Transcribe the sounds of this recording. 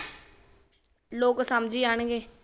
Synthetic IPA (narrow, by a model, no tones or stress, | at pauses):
loːksəmd͡ʒiːaːɳɡeː